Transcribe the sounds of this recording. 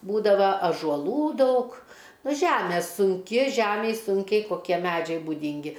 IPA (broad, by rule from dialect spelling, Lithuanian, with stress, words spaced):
ˈbuːdɐʋɐ ɐʒuɔˈlˠuː ˈdɐʊk ˈnʊ ˈʒʲæmʲɛ sʊŋʲˈkʲɪ ˈʒʲæmʲɛj ˈsʊŋʲkʲɛɪ koːˈkʲiɛ ˈmʲæd͡ʒʲɛɪ bʊˈdʲɪŋʲɡʲɪ